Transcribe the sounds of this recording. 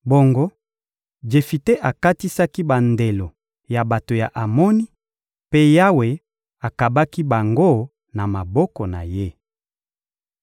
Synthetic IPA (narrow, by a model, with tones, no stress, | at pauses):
bo˨ŋɡo˦ | d͡ʒe˨fi˨te˦ʔa˨ka˦ti˦sa˦ki˦ba˨nde˨lo˨ | ja˨ba˨to˨ja˨ʔa˨mɔ˦ni˦ | pe˦ja˦we˨ | a˨ka˨ba˦ki˦ba˨ŋɡo˦˨ | na˨ma˨bɔ˦kɔ˨na̰˨je˦